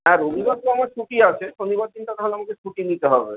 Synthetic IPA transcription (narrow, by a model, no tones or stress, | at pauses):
ɦɛ̃ɾonibauamaɾt͡ʃʰuʈiat͡ʃʰeʃonibaɾd̪inʈat̪ɔɦoleamaket͡ʃʰuʈinit̪eɦɔbḛ